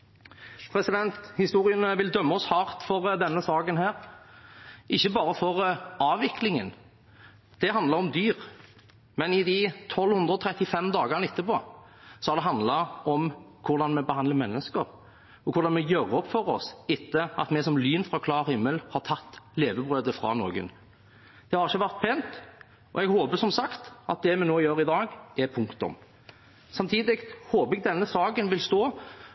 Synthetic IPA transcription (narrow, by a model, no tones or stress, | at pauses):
pʰɾɛsɪd̪ɛnt̪hɪst̪uːɾɪənəʋɪld̪œmːəɔshɑːʁt̪fɔɾd̪ɛnːəsɑːkənhæːɾ | ʔɪçːəbɑːɾəfɔɾɑːʋɪklɪŋə̰n | d̪̥ɛɦɑnd̪ləɾɔmd̪yːʁ | mɛnɪd̪it̪ʰɔlːhʉnd̪ɾʁəɔt̪ʰɾɛt̪ːɪfɛmd̪ɑːɡəɾnɪt̪ːəpoːsɔɑd̪ɛɦɑnd̪lɑʔɔmkʰʊɾd̪ɑnmɛbəhɑnd̪ləmɛnːəskəɾ | ɔkʰʊɾd̪ɑnmɛjøɾəɔpːfɔɾɔsɪt̪ːəɑ̰t̪mɛsɔmlyːnfʁɑkʰlɑːɾhɪmːəlhɑɾt̪ʰɑt̪ːleːʋəbʁøːd̪əfʁɑ̰nɔɡə̰n | d̪̥ɛhɑɾʁɪçəʋæɾt̪̚pʰeːnt̪ | ɔ̰ɛɡhoːpəsɔmsɑkt̪ʔɑ̰t̪̚d̪ɛmɛnoːjøːɾɪd̪ɑːɡɛpʰʉŋkt̪ʊ̰m | sɑmt̪ʰiːd̪ɪkhoːpɛɡ̚d̪ɛnːəsɑːkənʋɪlst̪oː